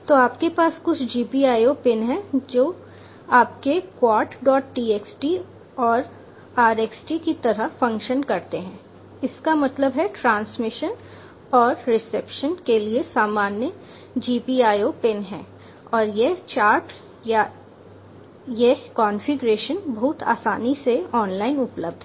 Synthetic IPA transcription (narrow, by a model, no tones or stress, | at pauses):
t̪oaːpkepaːskʊt͡ʃʰd͡ʒiːpiaːjopɪnɦɛ̃d͡ʒoː | aːp̚kekwaːɾʈɖɔːʈʈiːeːksʈi | ɔːɾ | aːɾeːksʈikit̪ɐɾəɦfɐ̃ŋkʃənkɐɾt̪eɦɛ̃ː | ɪskamɐt̪ləbɦɛʈɾãːnsmɪʃən | ɔːɾɾɪsepʃənkeliesaːmaːnjə | d͡ʒiːpiaːjopɪnɦɛ̰̃ː | ɔːɾjet͡ʃaːɾʈ | ja | jekɔːnfɪɡɾeːʃənbɐɦʊt̪ʰa̰ːsaːniseɔːnlaːɪnʊpləb̚d̪ʱɦɛ